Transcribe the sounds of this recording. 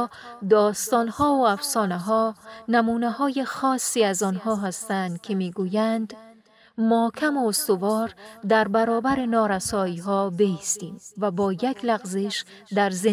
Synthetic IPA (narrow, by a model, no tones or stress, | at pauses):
d̪ɒːst̪ɒːnhɒːoæfsɒːnæɦɒnæmuːnæɦɔːjexɒːsːiæzɒnhɒːɦæst̪ænd̪kʰemiɡujænd̪ | mɒːkʰæmoost̪ovɒːɾd̪æɾbæɾɒːbæɾenɒːɾæsɒːiːɦɒːbeist̪iːmvæbɒːjækʰlæɣzeʃ | d̪æɾze